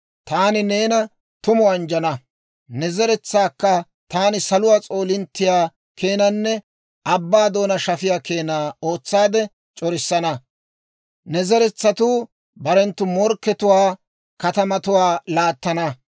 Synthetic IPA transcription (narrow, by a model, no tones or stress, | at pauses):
t̪aːnɪne̞ːnɐ | t̪ʊmʊɐnd͡ʒɐnɐ | nɛzɛɾɛt͡sːaːkːɐ | t̪aːnɪsɐlʊwaːt͡sʼo̞ːlɪnt̪ːɪjaː | ke̞ːnɐnːɛ | ʔɐbːaːd̪o̞ːnɐʃɐfɪjaːke̞ːnaːo̞ːt͡sːaːd̪ɛ | t͡ʃʼɔɾɪsːɐnɐ | nɛzɛɾɛt͡sːɐt̪uː | bɐɾɛnt̪ːʊmɔɾkːɛt̪ʊwaː | kɐt̪ɐmɐt̪ʊwaːlaːt̪ːɐnɐ